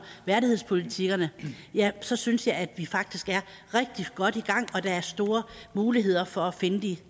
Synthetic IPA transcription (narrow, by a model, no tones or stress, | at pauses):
ʋæɐɾihe̝ð̞̰ˠspʰo̝lit͡sʰiɡ̥ɐnəjæsɒ̽synsjɑ̈ɪæd̥ʋifɑ̈ɡ̥̚d̥isɡ̥æɐ | ʁeɡ̥̚d̥iɡ̥ɒ̽d̥iɡ̥ɑ̈ŋ̰ɒ̽d̥ɑ̈æɐsd̥o̝ːɐmuːliɦe̝ð̞̰ˠɐfɒ̽æfe̝nəd̥i